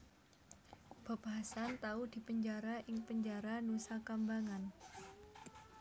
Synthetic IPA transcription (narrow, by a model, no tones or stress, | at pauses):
b̥a̤b̥aɦasant̪aud̪̥i̤pəɲd͡ʒaɾaʔɪŋpəɲd͡ʒaɾanusakambaŋan